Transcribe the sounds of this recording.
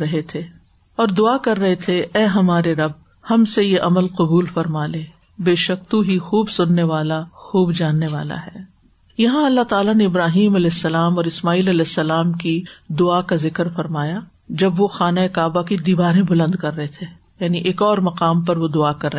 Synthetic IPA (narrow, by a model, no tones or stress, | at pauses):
ɐɦet̪ʰeː | ɔːɾd̪ʊakɐɾːɐɦet̪ʰeʔɛːɦɐmaːɾeɾɐb̚ | hɐmsejeʔɐməlqɐbuːlfɐɾmaːleː | beːʃɐkt̪ũɦixuːbsʊnːeʋaːlaxuːbd͡ʒaːnːeʋa̰ːla̰ɦɛː | jɐɦãɐlːat̪aːlaneɪbɾaːɦiːmɐlɛːsːɐlaːmɔːɾɪsmaːiːlɐlɛːsːɐlaːmkid̪ʊaːkazɪkəɾfɐɾmaːja | d͡ʒɐbʋoxaːnaekaːbakid̪iːbaːɾẽbʊlə̃nd̪kɐɾːɐɦet̪ʰe | jaːniʔeːkɔːɾmɐqaːmpɐɾʋod̪ʊakɐɾːɐ